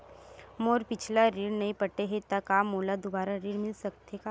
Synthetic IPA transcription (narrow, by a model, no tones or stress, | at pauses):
moɾpit͡ʃʰlaɾiːɽnəipəʈeɦet̪akamolad̪ubaɾaɾiːɽmilsək̚t̪eka